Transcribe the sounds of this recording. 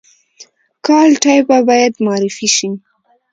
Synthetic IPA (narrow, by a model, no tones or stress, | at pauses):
kɑlʈɑjbabɑjad̪mɑɾɪfiʃi